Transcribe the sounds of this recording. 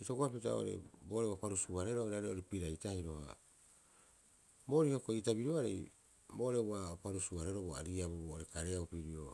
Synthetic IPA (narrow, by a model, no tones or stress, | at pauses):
itoɡoapita̰o̰ɾḛbo̞ɾewapaɾusuaɾeɾoiɾaɾeoɾipiɾajtahiɾo̞ha̰ | bo̞ɾihokoitabiɾoaɾḛj | boɾe̞wapaɾusuaɾeɾoboa̰ɾiabobooɾekaɾeaupiɾio